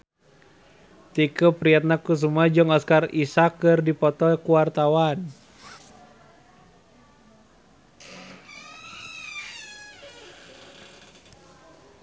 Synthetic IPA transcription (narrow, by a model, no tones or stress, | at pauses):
t̪ikupɾiat̪̚nakus̬umad͡ʒɔŋɔskarisakɨrdipɔt̪ɔkuwart̪awan